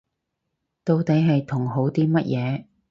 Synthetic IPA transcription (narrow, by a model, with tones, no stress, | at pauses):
t̪o˧wt̪e˨˧jɦɐ˨jt̪ʰʊ˨˩ŋɦo˨˥wt̪iː˥mɐ˥t̚jʔɛː˨˧